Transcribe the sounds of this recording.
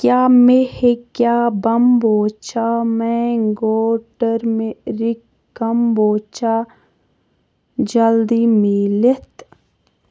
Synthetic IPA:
kjaːmehekjaːbɐmboːt͡ʃamɛ̃ŋɡoːʈəɾmeɾikː | ɐmboːt͡ʃaː | d͡ʒɐld̪imilet̪

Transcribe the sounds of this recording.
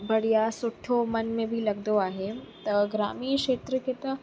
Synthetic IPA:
bɐɽ̤ijasʊʈʰːomɐnmẽbʱilɐɡd̪oaːɦet̪ɐɡɾaːmiːkʃeːt̪ɾəkʰet̪ɐ

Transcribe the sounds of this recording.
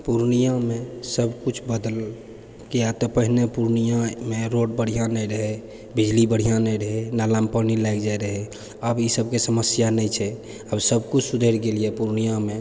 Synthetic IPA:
puɾnijãmesəbkut͡ʃʰbəd̪əl | kejat̪ɔpəɦinepuɾnijãmeɾoɽ̚bəɽ̤ijãnəjɾəɦɛ | bid͡ʒlibəɽ̤ijãnəjɾəɦɛnalãmpənilaɛkd͡ʒaɾəɦɛ | əbisəb̚kesəməsjanɛjt͡ʃʰɛ | əbsəbkut͡ʃʰsud̪ʱeɾɡeliepuɾnijãme

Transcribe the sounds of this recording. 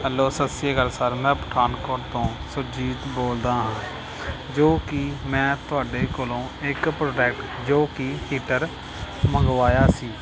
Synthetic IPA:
ɦɛːlːoːsəseːɡəlsəɾmɛ̃ːpəʈʰaːnkoːʈt̪õːsʊd͡ʒiːt̪boːld̪aːɦãː | d͡ʒoːkɪmɛ̃ːt̪ʊaːɖeːkoːlõːɪkpɾoːʈɛːkʈ | d͡ʒoːkihiːʈəɾ | məɡʋaːjaːsiː

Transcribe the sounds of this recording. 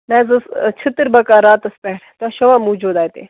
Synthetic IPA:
mɛ̃ːzɨst͡ʃʰit̪ɾbɐkaːɾaːt̪ɐspɛɦɾt̪aʃɐʋaːmuːd͡ʒoːd̪aːjt̪ḛ

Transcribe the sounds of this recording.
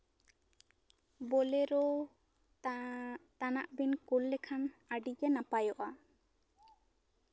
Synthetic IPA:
bɔlɛɾɔ | t̪anaʔbinkulːɛkʰanaɖid͡ʒɛnapajɔʔa

